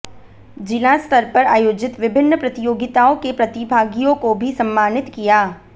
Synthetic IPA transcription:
d͡ʒɪlaːst̪ʰɐɾpɐɾaːjoːd͡ʒɪt̪ʋɪbʱɪnːəpɾɐt̪ɪjoːɡɪt̪aːõkepɾɐt̪ɪbʱaːɡijõkobʱisɐ̃mːaːnɪt̪kijaː

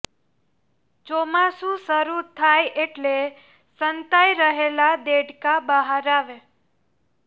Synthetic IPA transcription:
t͡ʃomasũsəɾut̪ʰajeʈle | sənt̪ajɾəɦelad̪eɖkabəɦəɾaʋe

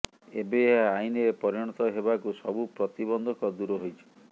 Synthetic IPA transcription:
ḛbeɦaajnepɔɾiɽ̃ɔt̪ɔɦebakusɔbupɾɔt̪ibɔnd̪ʱɔkɔd̪uɾɔɦojt͡ʃʰi̥

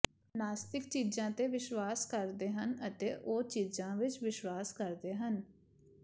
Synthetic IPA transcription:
naːst̪ɪkt͡ʃiːzãːt̪eːʋɪʃwaːskəɾd̪eːɦənət̪eːʔoːt͡ʃiːzãːʋɪt͡ʃʋɪʃwaːskəɾd̪eːɦən

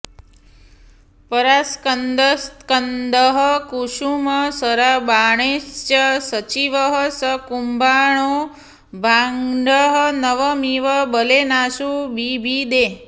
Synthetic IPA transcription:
pəɾaskənd̪əskənd̪əɦəkuʃuməsəɾabaɳ̃est͡ʃəsət͡ʃiʋəɦəsəkumbʱaɳ̃o | bʱaŋɖəɦənəʋəmiʋəbəlenaʃubibʱid̪e

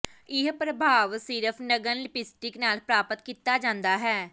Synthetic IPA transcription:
ɪɦpɾəbʱaːʋsiːɾəpʰnəɡənlɪpɪsʈɪknaːlpɾaːpət̪kiːt̪ːaːd͡ʒãːnd̪aːɦɛː

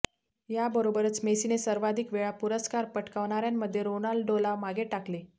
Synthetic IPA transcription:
jabəɾobəɾət͡smesinesəɾʋad̪ʱikʋeɭapuɾəskaɾpəʈkaʋɳ̃aɾjamːəd̪ʱːjeɾonalɖɖolamaɡeʈakle

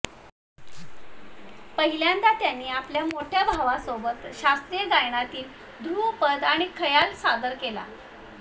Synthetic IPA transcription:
pəɦiljand̪at̪janːiːapljamoʈʰjabʱaʋasobət̪ɕast̪ɾijəd̪ajɳ̃at̪iːl | d̪ʱupəd̪aɽ̃ikʰəjalsad̪əɾkela̰

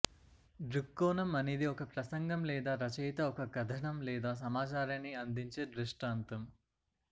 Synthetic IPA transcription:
ɖɾikːoːnɐmɐneːd̪iɔkɐpɾɐsɐŋɡɐmlɛːd̪aːɾɐt͡ʃɐjt̪ɐɔkɐɡɐd̪ʱɐɳɐmlɛːd̪aːs̬ɐmaːt͡ʃaːɾɐnːiɐnd̪iɲt͡ʃeːɖɾisʈaːnt̪ɐm

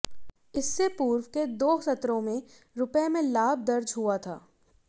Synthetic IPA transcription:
ɪsːepuːɾwked̪oːsɐt̪ɾõmẽ | ɾʊpemẽlaːb̚d̪ɐɾd͡ʒɦuat̪ʰa̰ː

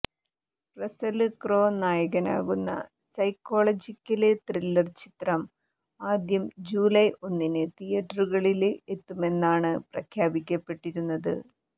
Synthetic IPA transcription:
prɐsɐlɨkro̞ːnːaːjɐɣɐna̰ːɣunːɐ̰ | sɐjkːo̞ːɭɐd͡ʑikʲːɐlɨt̪rilːɐrt͡ɕi̥t̪rɐm | aːd̪jɐmd͡ʑuːlɐjo̞nːinɨt̪ijɐʈːruɣɐɭile̞t̪ːume̞nːaːɳɨprɐkʰjaːbikʲːɐpːe̞ʈːiɾunːɐðɨ̰

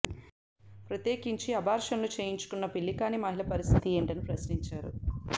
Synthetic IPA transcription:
pɾɐt̪jeːkiɲt͡ʃiɐbʱaːɾʂɐmlut͡ʃeːjiɲt͡ʃu̥kunːɐpiɭːikaːnimɐɦilɐpɐɾist̪ʰit̪ieːɳʈɐnipɾɐsniɲt͡ʃaːɾṵ

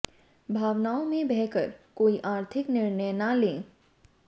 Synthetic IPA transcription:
bʱaːʋnaːõmẽbɛɦkəɾkoːiʔaːɾt̪ʰɪknɪɾnəjnalẽː

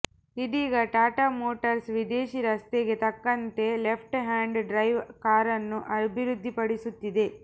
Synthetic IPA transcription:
id̪iːɡɐʈaːʈaːmoːʈɐɾsʋid̪eːʃiɾɐst̪eɡe̞t̪ɐkːɐnt̪e̞lepʰʈɦaːɳɖɖɾɐjʋkaːɾɐnːuʔɐbʱiɾud̪ʱːipɐɽisut̪ːid̪e̞

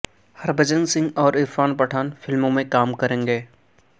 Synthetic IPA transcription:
hɐɾbəd͡ʒənsɪ̃ŋɡɔːɾɪɾfaːnpɐʈʰaːnfɪlmõmẽkaːmkɐɾẽːŋɡeː

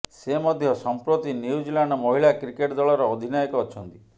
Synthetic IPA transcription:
semɔd̪ʱjɔsɔmpɾot̪inuud͡ʒilaɳɖɔmɔɦiɭakɾikeʈd̪ɔɭɔɾɔːd̪ʱinajɔkɔːt͡ʃʰɔnt̪i̥

